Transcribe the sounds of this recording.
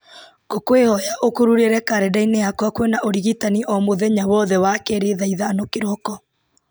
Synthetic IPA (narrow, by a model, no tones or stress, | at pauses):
ɣ̥okwehɔjaʔokuɾuɾeɾɛkaɾɛdaineakwakwɛnaʔoɾiɣitaniʔɔmoðɛɲawɔðɛwakɛɾeðaiðaːnokeɾɔkɔ